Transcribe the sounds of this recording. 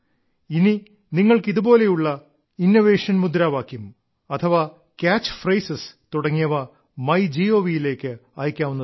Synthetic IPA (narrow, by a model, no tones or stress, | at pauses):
ini | niŋːɐɭkiðubo̞ːle̞juɭːɐ | inːoʋe̞ːʂɐnmud̪ɾaːʋaːkːum | ɐt̪ʰɐʋaː | kʲaːt͡ɕːfrɐjsɐst̪uɽɐŋːijɐʋɐ | mɐjd͡ʑio̞ːʋijile̞ːkʲːɨɐːjkʲːaːʋunːɐ